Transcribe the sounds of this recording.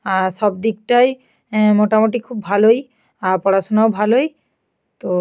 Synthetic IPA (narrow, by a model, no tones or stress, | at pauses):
aɾʃɔb̚d̪ik̚ʈaj | moʈamoʈ̬ikʰubːʱaloj | aɾpɔɽaʃonaobʱaloj | t̪o